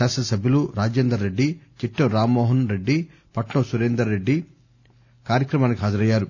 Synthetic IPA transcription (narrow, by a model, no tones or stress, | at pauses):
aːsɐsɐbʱjɐluɾaːd͡ʒeːnd̪ɾɐɾeɖːit͡ʃiʈːɐɾaːmːɔːɦɐnɾe̞ɖːi | pɐʈɳɐsuɾeːnd̪ɾɐɾe̞ɖːi | kaːɾjɐkɾɐmaːnikʲiɦaːd͡ʒɐɾɐjːaːɾu